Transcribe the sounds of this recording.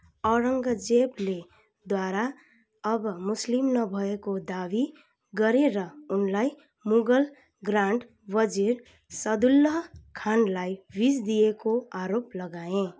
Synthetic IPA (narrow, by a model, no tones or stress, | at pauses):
ɔɾəŋɡəd͡ʒeble | d̪waɾa | ʌbmʊslimnʌbʱʌekod̪abi | ɡʌɾeɾʌunlaj | muɡəl | ɡɾaɳɖ | bʌd͡ʒiɾ | sʌd̪ulːəɦkʰanlajbisd̪iekoaɾoplʌɡaẽ